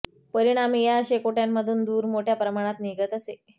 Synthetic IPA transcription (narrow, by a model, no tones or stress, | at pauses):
pəɾiɽ̃amijaəɕekoʈjamːəd̪ʱuːnd̪uːɾmoʈʰjapɾəmaɽ̃at̪niɡət̪əse